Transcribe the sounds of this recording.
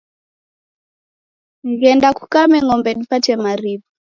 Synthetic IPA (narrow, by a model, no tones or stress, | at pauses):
ŋɡɛndaku̥kamɛŋɔmbɛɗipatɛmaɾipɔ